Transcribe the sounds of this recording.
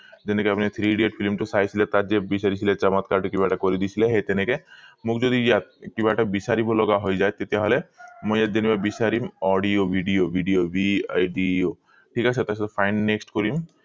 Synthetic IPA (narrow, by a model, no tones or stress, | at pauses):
d͡ʒenekeapnet̪ʰɾiɖeʈpʰilmʈusajt͡ʃʰilet̪ad͡ʒebisaɾit͡ʃʰilet͡ʃamat̪kaɾʈekibaʈakɔɾid̪it͡ʃʰileɦet̪enekemukd͡ʒɔd̪ijat̪kibaʈabisaɾibolɔɡaɦojd͡ʒaet̪et̪eɦɔlemɔjjad̪enibabisaɾimɔɖiobʱiɖiobʱiɖijobḭa̰jɖio | ʈʰikat͡ʃʰet̪asʰt̪epʰajnːeksʈkɔɾim